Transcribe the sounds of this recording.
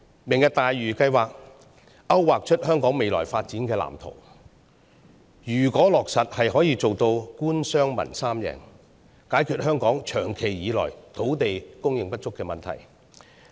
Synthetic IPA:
mɪ˨˩ŋjɐ˨˧k̚t̪aː˨jɥyː˨˩kɐ˧jwaː˨k̚ | ʔɐ˥wːaː˨k̚t͡ʃʰɵ˥t̚hœː˥ŋkɔː˨˥ŋme˨jlɔ̰ː˨˩jfaː˧t̚t͡siː˨˥nkɛː˧la̰ː˨˩mt̪ʰo̰˨˩w | jyː˨˩kɔː˨˥lɔː˨k̚sɐ˨t̚hɐ˨jɦɔː˨˥jiː˧t͡so˨wt̪o˧wkuː˥nsœː˥ŋmɐ̰˨˩nsaː˥mjɛ̰ː˨˩n | kaː˨˥jkʰyː˧t̚hœː˥ŋkɔː˨˥ŋt͡ʃʰœː˨˩ŋkʰe˨˩jjiː˨˧lɔ̰ː˨˩jt̪ʰo˨˥wt̪e˨jkʊ˥ŋjɪ˨ŋpɐ˥t̚t͡sʊ˥kːɛː˧mɐ˨˩nt̪ʰɐ̰˨˩j

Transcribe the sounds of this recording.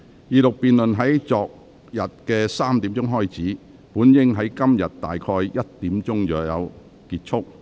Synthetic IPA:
jiː˧lʊ˨k̚piː˨nlɵ˨nɦɐ˨˥jt͡sɔː˨k̚ | jɐ˨˩t̚kɛː˧saː˥mt̪i˨˥mt͡sʊ˥ŋɦɔː˥jt͡siː˨˥ | puː˨˥njɪ˥ŋɦɐ˨˥jkɐ˥mjɐ˨t̚t̪a̰ː˨jkʰɔː˧jjɐ˥t̚t̪iː˨˥mt͡sʊ˥ŋjœː˨˥jɐ̰˨˧w | kiː˧t̚t͡ʃʰʊ˥k̚

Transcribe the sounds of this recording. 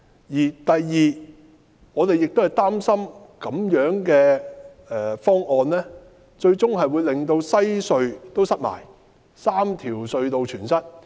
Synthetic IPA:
jiː˨˩t̪ɐ˨jːiː˨˩ | ŋɔː˨˧t̪e˨jɪ˨k̚t̪o˥hɐ˨˩jt̪aː˥msɐ˥mkɐ˨˥mjœː˨˥ŋkɛː˧ | ɛː˨fɔː˥ŋʔɔː˧nlɛː˥ | t͡ʃɵ˧ɥt͡sʊ˥ŋɦɐ˨jwu˨˧jlɪ˨ŋt̪o˧wsɐ˥jsɵ˧ɥt̪o˥wsɐ˥t̚ma̰ː˨˩j | saː˥mt̪ʰiː˨˩wsɵ˧ɥt̪o˧wt͡ʃʰyː˨˩nsɐ˥t̚

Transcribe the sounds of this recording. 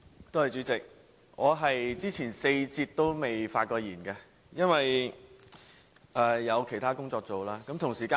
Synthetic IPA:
t̪o˥whɐ˨˩jt͡ʃyː˨˥t͡sɪ˨k̚ | ŋɔː˨˧ɦɐ˨jt͡siː˥t͡sʰiː˨˩nse˧jt͡siː˧t̚t̪ːo˥wme˨jfaː˧t̚kɔː˧jiː˨˩nkɛ˧ | jɐ˥nwɐ˨j | ʔɛː˧jɐ˨˧wkʰe˨˩jt̪ʰaː˥kʊ˥ŋt͡sɔː˧k̚t͡so˨wlaː˥kɐ˨˥mt̪ʰʊ˨˩ŋsiː˨˩kaː˧

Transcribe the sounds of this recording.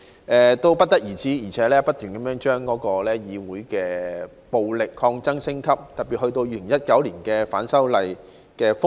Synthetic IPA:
ʔɛː˧t̪o˥wpɐ˥t̚t̪ɐ˥k̚jiː˨˩t͡siː˨˥jiː˨˩t͡sʰɛː˨˥lɛː˥pɐ˥t̚t̪yː˨˩nkɐ˨˦mjœː˨˥ŋt͡ʃœː˥ŋkɔː˨˥kɔː˧lɛː˥jiː˨˧wuː˨˥jkɛː˧ | po˨wlɪ˨kʰːɔː˧ŋt͡sɐ˥ŋsɪ˥ŋkʰɐ˥p̚t̪ɐ˨t̚piː˨t̚hɵ˧t̪o˧wjiː˧˥lɪ˨˩ŋjɐ˥t̚kɐ˨˥wliː˨˩nkɛː˧faː˨˥nsɐ˥wlɐ˨˧j | kɛː˧fʊ˥

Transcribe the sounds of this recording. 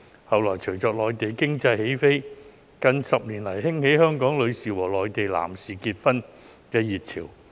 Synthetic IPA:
hɐ˨wlɔː˨˩jt͡ʃʰɵ˨˩ɥt͡sɔː˧k̚lɔː˨jt̪e˨jkɪ˥ŋt͡sɐ˧jhe˨˥jfe˥j | kɐ˧nsɐ˨p̚niː˨˩nlɐ˨˩jhɪ˥ŋhe˨˥jhœː˥ŋkɔː˨˥ŋlɵ˨˧ɥsiː˨wɔː˨˩lɔː˨jt̪e˨jla̰ː˨˩msiː˨kiː˧t̚fɐ˥n | kɛː˧jiː˨˩t̚t͡sʰiː˨˩w

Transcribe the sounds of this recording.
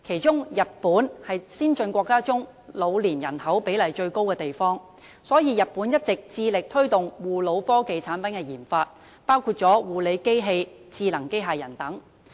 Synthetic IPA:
kʰe˨˩jt͡ʃʊ˥ŋjɐ˨t̚puː˨˥nhɐ˨jsiː˥nt͡ʃɵ˧nkʷɔː˧kːaː˥t͡sʊ˥ŋ | lo˨˧wliː˨˩njɐ˨˩nhɐ˨˥wpe˨˥jlɐ˨˩jt͡ʃɵ˧ɥko˥wkɛː˧t̪e˨jfɔː˥ŋ | sɔː˨˥jiː˨˧jɐ˨t̚puː˨˥njɐ˥t̚t͡sɪ˨k̚t͡siː˧lɪ˨k̚t̪ʰɵ˥ɥt̪ʊ˨ŋwuː˨lo˨˧wfɔː˥ke˨jt͡sʰaː˨˥npɐ˨˥nkɛ˧jiː˨˩nfaː˧t̚ | paː˥wkʰuː˧t̚t͡ʃt͡sɔː˨˥wuː˨˩le˨˧jke˥jɦe˧jt͡siː˧lɐ˨˩ŋke˥jɦaː˨jɐ˨˩nt̪ɐ˨˥ŋ

